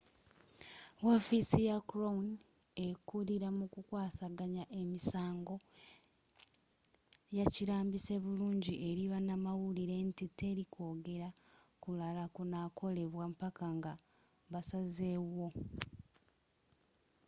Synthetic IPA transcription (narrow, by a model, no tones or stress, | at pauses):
wofisijakuɾon | ekuliɾamukukwaːsaɡaɲaʔe̞misaːŋɡo̞ | jaciɾaːmbise̞βuluːɲɟiʔe̞ɾiβanamawuliɾe̞ntite̞ɾikʰo̞ːɡe̞ɾa | kulalakunakʰo̞le̞βwampakaŋɡa | βasaze̞wo̞